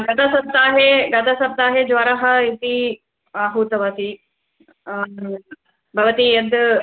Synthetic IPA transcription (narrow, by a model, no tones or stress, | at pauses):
ɡɐt̪asɐb̚t̪aːɦeɡɐt̪asɐb̚t̪aːɦed͡ʒʋaːɾaːɦɐ̆ɪt̪i | aːɦut̪ɐʋasi | bʱɐʋət̪ijɐd̪